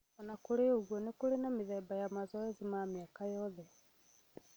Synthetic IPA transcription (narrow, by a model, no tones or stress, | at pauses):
ɔnakuliuɣwonikulinamiðebajamazɔezimamiakajoðe